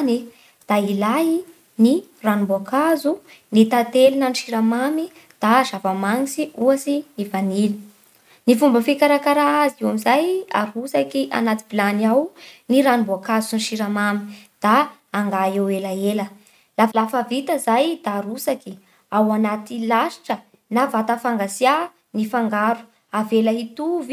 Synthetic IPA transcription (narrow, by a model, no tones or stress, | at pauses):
ni | d̪̥ailai | ni | ranumbuakazu | nit̪at̪elinəniʃiɾamami | d̪̥aʒavamaŋisiuasinivanili̥ | nifumbəfikaɾakaɾaazewamizaja̰ɾusakiʔa̰nat̪iv̥ilaniawniɾanimbuakazuiniʃiɾamami̥d̪̥a | aŋɡaewelaelə | lafalafavit̪əzajd̪aːɾusaki | awanat̪ilaʃi̥ʈ͡ʂə | navat̪afaŋɡasia | nifaŋɡaɾu̥ | avelaɦit̪uv